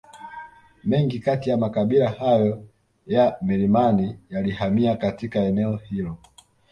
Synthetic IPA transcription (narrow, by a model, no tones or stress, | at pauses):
mɛŋɡikatijamakaɓilahajɔ | jamɛlimanijalihamiakatikaɛnɛɔhilɔ